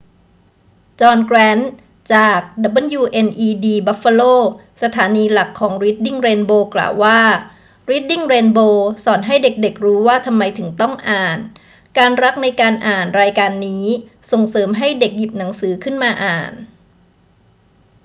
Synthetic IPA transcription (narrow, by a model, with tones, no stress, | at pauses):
t͡ɕɔː˧nkɾɛː˦˥n | t͡ɕaː˨˩k̚da˨˦˥bɤ˧njuː˧ʔe˧nʔiː˧diː˧ba˦˥fa˧loː˥˩ | sa˧t̪ʰaː˩˦niː˧la˨˩kʰːɔː˩˦ŋɾiː˦˥t̪̚di˥˩ŋɾeː˧nboː˧kla̰ː˨˩wːaː˥˩ | ɾi˦˥t̪̚di˥˩ŋɾeː˧nboː˧sɔː˨˩˦nɦa˥˩jde˨˩k̚de˨˩k̚ɾuː˦˥waː˥˩t̪ʰa˧mːa˧jt̪ʰɯ˩˦ŋt̪ɔ˥˩ŋʔaː˨˩n | kaː˧nɾa˦˥k̚na˧jkaː˧nʔaː˨˩nɾaː˧jkaː˧nːiː˦˥so˨˩ŋsɤː˩˦mɦa˥˩jde˨˩k̚ji˨˩p̚na˩˦ŋsɯː˩˦kʰɯ˥˩nmaː˧ʔaː˨˩n